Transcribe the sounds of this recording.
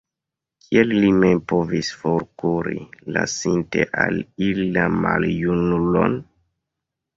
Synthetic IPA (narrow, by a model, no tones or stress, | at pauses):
kʰielːimempovisfoɾkuɾilasinteʔalililamaljunulo̰n